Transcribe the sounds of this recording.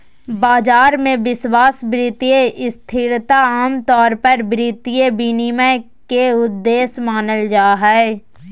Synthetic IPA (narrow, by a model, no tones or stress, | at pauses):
baːd͡ʒaːɾmẽʋɪswaːsbɾiːt̪ijeʔɪst̪ʰɪɾt̪aaːmt̪ɔːɾpəɾbɾiːt̪ijebinimə | keʊd̪ːeːsmaːnəld͡ʒaːɦɛɛ